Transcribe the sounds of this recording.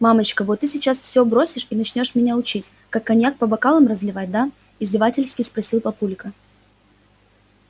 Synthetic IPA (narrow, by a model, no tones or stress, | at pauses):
mamət͡ɕkəvot̪ːɨsʲɪt͡ɕasfsʲobɾo̞sʲɪʂinɐt͡ɕnʲo̞ʂmʲɪnʲaʊt͡ɕitʲ | kakːɐnʲjak̚pəbɐkalˠəmrəzlʲɪvat̚ʲd̪a | ɪzʲdʲɪvatʲɪlʲskʲɪjspɾɐsʲilˠpɐpulʲkə